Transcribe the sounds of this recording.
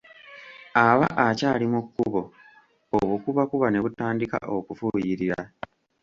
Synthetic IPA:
aβa̰ʔacaːlimukːuβo̞ | oβukuβakuβane̞βutaːndika̰ʔokufujiɾiɾa

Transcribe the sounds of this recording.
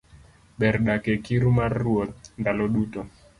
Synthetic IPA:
ɓɛrɗakɛkiɾumarːwɔt̪̚ndalɔɗutɔ

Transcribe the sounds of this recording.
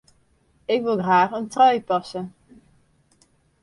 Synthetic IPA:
ɪkʋɪlˠɣraːχəntrɑjpɑsən

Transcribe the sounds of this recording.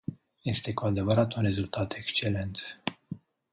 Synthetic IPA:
je̞st̪e̞kuad̪e̞vəɾat̪unre̞zult̪ʰat̪e̞kst͡ʃe̞le̞nt̪

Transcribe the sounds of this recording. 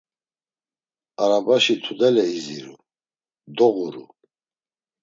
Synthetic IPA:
aɾabaʃit̪ʰud̪ɛlɛiziɾṵ | d̪ɔɣuɾṵ

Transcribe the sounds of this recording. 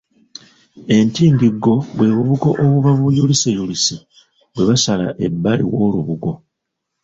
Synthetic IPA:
e̞ntiːmbiɡːo̞βwe̞ːβuβuko̰ʔoβuβaβujulisejulise | βwe̞βasala̰ʔe̞bːalḭwo̞ːluβuɡo̞

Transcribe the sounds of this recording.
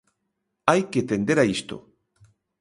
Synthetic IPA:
ajket̪end̪eɾaist̪o̰

